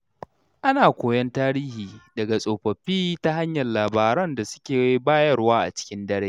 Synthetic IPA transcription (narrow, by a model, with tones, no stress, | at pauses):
ʔa˦naː˨kʷoː˨jɐ˦ntaː˦ɾiː˦hiː˨dɐ˨ɡa˨sʼoː˨ɸɐ˨ɸiː˦ta˦ɦa˦ɲjɐ˨llaː˨baː˨ɾɐ˦nda˨sʊ̥˦kʲeː˨˦i˦baː˦jɐ˦rwaː˦ʔa̰˨t͡ʃɪ̥˦kʲɪ˦ndɐ˦ɽeː˦